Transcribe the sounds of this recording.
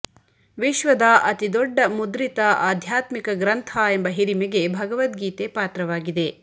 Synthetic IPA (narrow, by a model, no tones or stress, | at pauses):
ʋiʃʋɐd̪ɐʔɐt̪id̪ɔɖːɐmud̪ɾit̪ɐaːd̪ʱjaːt̪mikɐɡɾɐnt̪ʰɐembɐɦiɾimɛɡe̞bʱɐɡɐʋɐt̪ɡiːt̪epaːt̪ɾɐʋaːɡid̪e̞